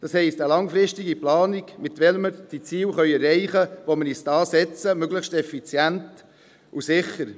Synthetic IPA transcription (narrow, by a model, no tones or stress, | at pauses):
d̥ɑshɛɪstəlɑŋfɾɪstɪɡiplɑːniɡmɪtʋɛlməɾd̥it͡siːwχœʏɛrɛɪχəʋoməɾisd̥ɑːsɛt͡səmøɡləxʃtɛfit͡sjænt | usɪχəɾ